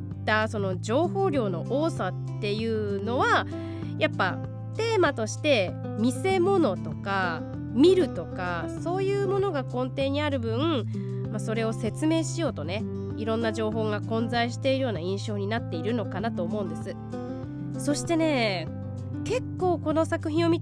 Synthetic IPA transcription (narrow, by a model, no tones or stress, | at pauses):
t̪aso̞no̞d͡ʑo̞ːho̞ːɾʲo̞ːno̞ʔoːsat̪ːe̞jɯ̟ːno̞βa | japːa | t̪e̞ːmat̪o̞ɕi̥t̪e̞ | mʲise̞mo̞no̞t̪o̞ka | mʲiɾɯ̟t̪o̞kaso̞ːjɯ̟ːmo̞no̞ɡakõ̞nt̪e̞ːɲ̟iaɾɯ̟bɯ̟̃ | maso̞ɾe̞o̞se̞t͡sɨme̞ːɕijo̞ːt̪o̞ne̞ | iɾõ̞nːaʑo̞ːɦo̞ːɡakõ̞nzaiɕi̥t̪e̞iɾɯ̟jo̞ːnaĩɰ̃ɕo̞ːɲ̟inat̪ːe̞iɾɯ̟no̞kanat̪o̞ːmo̞ɯ̟̃nd̪e̞sɨ | so̞ɕi̥t̪e̞ne̞ː | ke̞kːo̞ːko̞no̞sakɯ̟çĩɰ̃o̞mʲi